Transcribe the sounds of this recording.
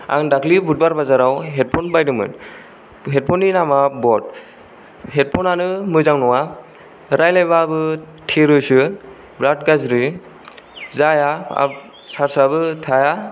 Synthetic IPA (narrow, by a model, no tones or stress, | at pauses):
a̰ŋdakʰlibut̚baɾbazaɾawɦet̚pʰɔnbajdɯmɯ̰n | ɦet̚pʰɔninamabɔt̚ | ɦet̚pʰɔnanɯmɯzaŋnɔwa | ɾajlajbabɯ | tʰeɾɯsɯ | bɾat̚ɡazɾi | zajaa̰p̚ | saɾsabɯtʰaja